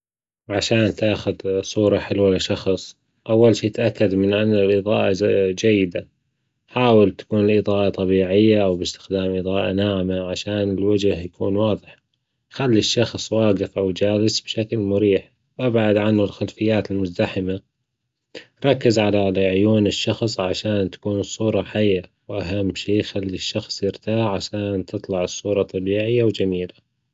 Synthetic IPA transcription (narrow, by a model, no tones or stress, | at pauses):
ʕaʃaːnt̪aːxʊd̪sˤuːɾˤɑħɪlwalɪʃɑxsˤ | ʔawːalʃiːt̪ʔakːad̪mɪnʔanːalʔɨðˤɑːʔad͡ʒajːɪd̪a | ħaːwɪlt̪ḁkuːnɪlʔɨðˤɑːʔɑt̪ˤɑbiːʕɪjːaʔawbɪst̪ɪ̥xd̪aːmʔiðˤɑːʔanaːʕmaʕaʃaːnɪlwad͡ʒhjakʰuːnwɑːðˤɨħ | xalːiʃːɑxsˤwɑːɡɪfʔawd͡ʒaːlɪsbʃaklmʊɾiːħ | wʔabʕad̪ʕanhʊlxalfɪjːaːt̪ɪlmʊzd̪aħɪma | ɾˤɑkːɪzʕalalʕʊjuːnɪʃːɑxsˤʕaʃaːnt̪ḁkuːnsˤuːɾˤɑħajːa | wʔaɦamːʃiːxalːiʃːɑxsˤjɪɾt̪aːʕʕaʃaːnt̪ʰɨt̪ˤlɑʕɨsˤːuːɾˤɑt̪ˤːɑbiːʕɪjːawd͡ʒamiːla